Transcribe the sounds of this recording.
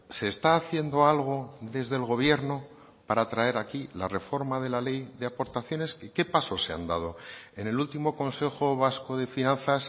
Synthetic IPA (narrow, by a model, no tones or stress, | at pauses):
se̞ːst̪aːθje̞nd̪o̞alɣ̞o̞ðe̞zðe̞lɣ̞o̞βje̞ɾno | paɾat̪ɾae̞ɾakilare̞fo̞ɾmað̞e̞lale̞jðe̞apo̞ɾt̪aθjo̞ne̞skeke̞paso̞sea̰nd̪að̞o̞ene̞lult̪imo̞ko̞nse̞xoβ̞asko̞ð̞e̞finãnθas